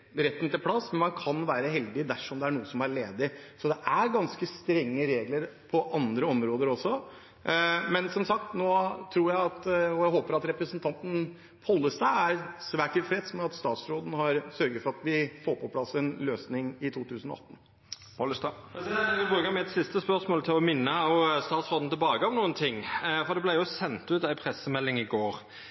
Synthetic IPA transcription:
ɾɛt̪ːnt̪ɪlpʰɽɑsmɛnmɑnkʰɑnʋæːɾəɦɛld̪ɪd̪æʂɔmd̪ɛæɳuːəsɔmæɭeːd̪ɪsɔd̪ɛʔæɾɡɑnskəst̪ɾɛŋːəɾeːɡləɾpʰɔʔɑnd̪ɾəɔmɾoːd̪əɾɔsɔ | mɛnsɔmsɑk̚t̪noːt̪ʰɾuːjæɪɑt̪ɔjæɪɦoːpəɾɑt̪ɾɛpɾəsənt̪ʰɑnt̪n̩ | pʰɔlːəst̪ɑɪæɾsʋæːʈɪlfɾɛt̪smɛɑt̪st̪ɑːt̪sɾoːd̪n̩hɑɾsœɾɡəɾfɔɾɑt̪ʋɪfoːɾpʰɔpʰlɑsɛnløːsnɪŋɪt̪ʰuːt̪ʰʉːsənɔ̰ʔɑ̰t̪ːən̩ | ʋɪbɾʉːkəmɛɛt̪sɪst̪əspœʂmoːlt̪ʰɪlɔmɪnːəɔst̪ɑːt̪sɾoːd̪n̩t̪ʰɛlbɑːkəɔmnuːənt̪ʰɪŋːfɔɾd̪ɛblæɪjʊsɛnt̪ʉːt̪æɪpʰɾɛsəmɛlːɪŋɪɡoːʁ

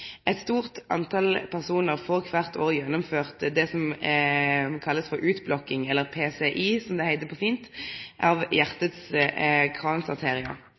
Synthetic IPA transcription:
ʔɛt̪st̪uːʁt̪ʔɑ̰nt̪ʰɑlpʰæʁsuːnəʁfɔʁkʰʋæʁt̪oːʁjɛnːʊmføːʁt̪d̪ɛsɔm | kʰɑlːəsfɔɾʔʉːt̪blɔkːɪŋɛlːəʁpʰeːsɛʔiːsɔmd̪ɛhæɪt̪əpʰɔfiːnt̪ʔɑʋjæʁt̪ət̪skʰʁɑːnsɑʁt̪ʰeːʁɪə̰

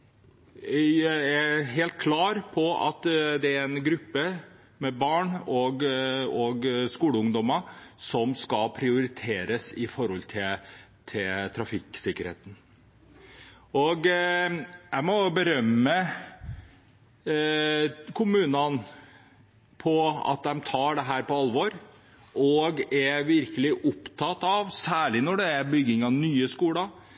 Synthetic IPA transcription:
æɦeːlt̪̚kʰlɑːɾpʰɔɑ̰t̪d̪ɛæɾɛnɡɾʉpːə | mɛbɑːɳɔɡɔɡskuːləʊŋd̪ɔməsɔmskɑpʰɾɪʊɾɪt̪ʰeːɾəsɪfɔɾhɔlt̪ʰɪt̪ʰɪt̪ʰɾɑfɪkːsɪkːəɾhḛːt̪n̩ | ɔɡ | jæɪmɔbəɾœmːə | kʰʊmʉːnɑn | pʰɔɑ̰t̪̚d̪ɛmt̪ʰɑːɖɛɦæːɾpɔɑlʋɔɾ | ʔɔɡɛʋɪɾkəlɪʔʊpt̪ʰɑt̪ːɑʋsæːɭɪnɔɖɛæbʏɡːɪŋɑnyːəskuːɽɑ

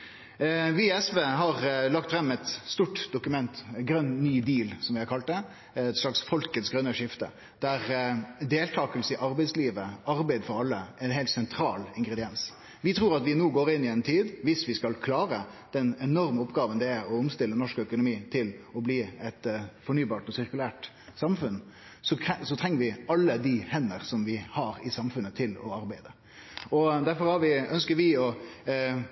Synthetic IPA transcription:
ʋiɛsʋeːɦɑʁlɑk̚t̪fɾɛmːɛt̪st̪uːʈd̪ʊkʉmɛnt̪ɡɾœnnyːd̪iːlsɔmʋɪhɑɾkʰɑlt̪̚d̪ɛ | t̪ʂɭɑksfɔlkət̪sɡɾœnːəʂɪft̪ə̰ | d̪̥æɾd̪eːlt̪ʰɑːkəlsəɪʔɑɾbæɪsliːʋəɑɾbæɪd̪fɔɾɑlːəɛnɦɛːlt̪sɛnt̪ʰɾɑːlɪŋɡʁɛd̪ɪɛns | ʋɪt̪ʰɾuːɾɑt̪ʋɪnuːɡoːɾɪnːɪɛɪnt̪ʰiːd̪ʋɪsʋɪskɑlkʰlɑːɾəd̪̥ɛnɛnɔɾməɔpːɡɑːʋənd̪ɛæɔʊmst̪ɪlːənɔʂkœkʊnʊmiːt̪ʰɪlɔbliːɛt̪fɔɳyːbɑːʈɔsɪɾkʉlæːʈ | sɑmfʉn | sɔsɔt̪ʰɾɛŋːəɾʋɪɑlːəd̪ɪhɛnːəɾsɔmʋɪhɑɾɪsɑmfʉnət̪ʰɪlɔ̰ɑɾbæɪd̪ə | ɔd̪æɾfɔɾhɑɾʋɪœnskəɾʋɪɔ

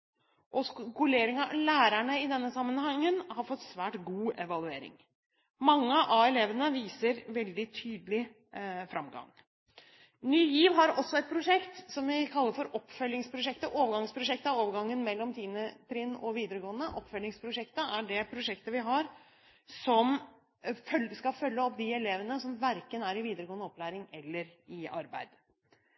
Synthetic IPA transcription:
ʔɔsɡʉleːɾɪŋɑlæːɾæɳəɪd̪ɛnːəsɑmːənhɑŋːənhɑɾfɔt̪ːsʋæːʈɡuːɛʋɑlʉeːɾɪ̰ŋ | mɑŋːəʔɑɛleːʋənəʋiːsəɾʋɛld̪ɪt̪ʰyːd̪əlɪ | fɾʔɑmɡɑ̰ŋ | nyːjiːʋɦɑɾɔsːɔɛt̪̚pʰɾʊʂɛkt̪sɔmʋɪkʰɑlːəɾfɔɾʔɔpːfœlːɪŋspʰɾʊʂɛkt̪əʔoːʋəɾɡɑŋspʰɾʊʂɛkt̪əoːʋəɾɡɑŋːənmɛlːɔmt̪ʰiːnəpʰɾɪnːɔʋiːd̪əɾəɡoːənəʔɔpːfœlːɪŋspʰɾʊʂɛkt̪əæɖɛpʰɾʊʂɛkt̪əʋɪɦɑɾ | sɔm | fœskɑfœlːəɔp̚d̪ɪɛleːʋənəsɔmʋæɾkənæɾɪʋiːd̪əɾəɡoːənəɔplæːɾɪŋɛlːəɾɪɑ̰ɾbæ̰ɪd̪̥

